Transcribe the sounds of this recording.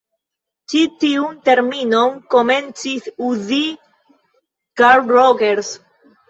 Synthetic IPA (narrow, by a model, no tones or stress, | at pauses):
t͡ʃitiunte̞ɾminoŋko̞me̞nt͡sisuzi | ɡ̥aɾɾoɡeɾs